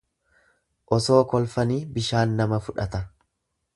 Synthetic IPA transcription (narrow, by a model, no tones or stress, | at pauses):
ʔɔso̞ːkɔlfɐniːbɪʃaːnːɐmɐfʊᶑɐt̪ɐ